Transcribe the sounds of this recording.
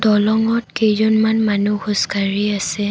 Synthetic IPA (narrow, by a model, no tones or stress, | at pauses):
dɔlɔŋɔt̚kejzɔnmanmanuxoskaɹiasɛ